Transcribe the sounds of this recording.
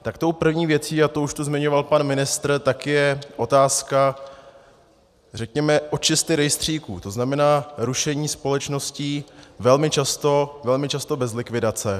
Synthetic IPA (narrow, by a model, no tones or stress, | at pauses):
t̪akt̪o̞wpr̩vɲiːvjɛt͡siːat̪ouʃt̪uzmɪɲo̞valpanmɪnɪst̪ɾ̩t̪akɪjɛʔo̞t̪aːska | rɛkɲɛmɛʔo̞t͡ʃɪst̪ɪɾɛjst̪r̝̥iːkuːt̪o̞znamɛnaːɾuʃɛɲiːspo̞lɛt͡ʃno̞sciːvɛlmɪt͡ʃast̪o̞vɛlmɪt͡ʃast̪o̞bɛzlɪkvɪdat͡sɛ